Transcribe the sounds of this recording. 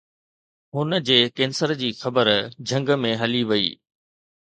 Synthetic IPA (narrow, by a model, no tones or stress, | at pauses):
ɦʊnə̆d͡ʑeːkeːnsəɾd͡ʑiːxɐbəɾd͡ʑʱɐ̃ŋɡmẽɦɐliʋɐḭː